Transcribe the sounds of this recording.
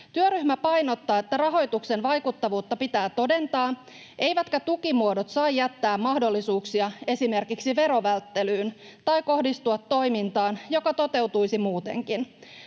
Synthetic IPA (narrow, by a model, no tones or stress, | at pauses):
t̪yøɾymæpɑjno̞t̪ːɑːe̞t̪ːærɑɦo̞jt̪ukse̞nʋɑjkut̪ːɑʋuːt̪ːɑpit̪æːt̪o̞de̞nt̪ɑː | ʔe̞jʋæt̪kæt̪ukimuodo̞t̪sɑijjæt̪ːæːmmɑhdo̞lːisuːksiɑe̞sime̞rkiksiʋe̞ɾo̞ʋælt̪ːe̞lyːn | t̪ɑjko̞hdist̪uɑt̪ːo̞jmint̪ɑːnjo̞kɑt̪o̞t̪e̞wt̪ujsimuːt̪e̞̰ŋkin